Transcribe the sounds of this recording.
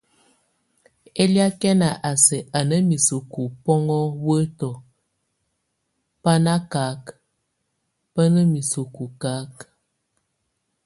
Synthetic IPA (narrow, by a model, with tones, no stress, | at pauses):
e˦li˦a˦kɛ˦na˨ʔa˨sɛ˨ʔa˨nə˦mi˨su˨ku˨pɔ˦ŋɔ˦wə˦tɔ˨ | pa˦na˦ka˨˦k | pə˦nə˦mi˨su˨ku˨ka˦k